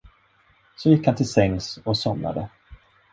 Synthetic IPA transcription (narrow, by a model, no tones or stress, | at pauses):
sɔjɪkːhant̪ʰɪlsɛŋsɔsɔmna̰d̪ə